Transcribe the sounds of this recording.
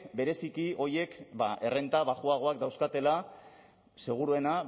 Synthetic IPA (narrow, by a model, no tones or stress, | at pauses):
be̞ɾe̞sikio̞je̞kbaʔe̞re̞nt̪aβaxuaɣ̞o̞akd̪awskat̪e̞la | se̞ɣ̞uɾue̞na